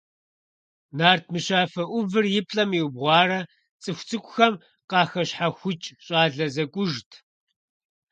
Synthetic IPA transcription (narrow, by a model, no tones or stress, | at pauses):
naːrtʰmɨɕaːfɐʔʷʊvɨrjɪpʼɬʼɐmiwbʁʷɑːrɐ | t͡sʼɨxʷt͡sʰɨkʷʼʊxɐm | qɑːxɐɕħaxʷʊt͡ʃʼɕʼaːɮɐzɐkʷʼʊʒtʰ